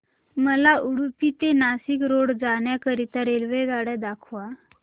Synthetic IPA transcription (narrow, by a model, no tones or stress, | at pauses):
məlaʔuɽupit̪enasikɾoɽd͡zaɳjakəɾit̪əɾelʋeɡaɽɛd̪akʰʋa